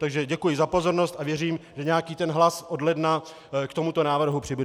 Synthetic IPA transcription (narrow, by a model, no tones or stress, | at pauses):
t̪aɡʒɛɟɛkujɪzapo̞zoɾnost̪avjɛriːmʒɛɲɛakiːt̪ɛnɦlasʔodlɛdna | kt̪o̞mut̪o̞naːvr̩ɦupr̝̥ɪbudɛ